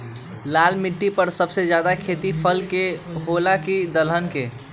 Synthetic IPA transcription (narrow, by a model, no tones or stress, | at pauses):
laːlmɪʈːipəɾsəbsed͡ʒjad̪akʰet̪ipʰəlkeɦolakid̪əlɦənke